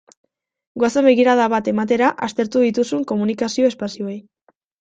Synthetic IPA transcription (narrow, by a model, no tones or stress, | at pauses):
ɡwasaβe̞ɣiɾaðaβat̪e̞mat̪̬e̞ɾaʔast̪e̞ɾt̪uðit̪usuŋko̞munikasio̞e̞spasioej